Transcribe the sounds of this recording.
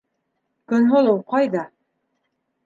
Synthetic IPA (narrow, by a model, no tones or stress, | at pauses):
kɵ̆nɦolˠowqɑjðɑ